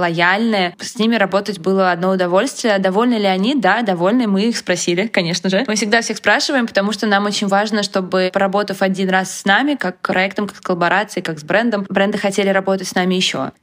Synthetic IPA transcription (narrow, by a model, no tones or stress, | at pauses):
lˠɐjalʲnəjəsʲnʲimʲɪɾɐbo̞t̪ətʲbɨlˠəɐd̪no̞ʊd̪ɐvo̞lʲst̪vʲɪjəd̪ɐvo̞lʲnəlʲɪɐnʲid̪ad̪ɐvo̞lʲnɨmɨixspɾɐsʲilʲɪkɐnʲe̞ʂnəʐɨmɨfsʲɪɡd̪afsʲexspɾaʂɨvəjɪmpə̥t̪ɐmuʂt̪onamo̞t͡ɕɪnʲvaʐnəʂt̪o̞bɨpəɾɐbo̞t̪əfɐdʲinrasːʲnamʲɪkakːpɾʔɐɛkt̪əmkḁkskəlˠəbɐɾat̪sɨɪkakzbɾɛnd̪əmbɾɛnd̪ɨxɐtʲelʲɪɾɐbo̞t̪ətʲsnamʲɪjɪɕːo̞̰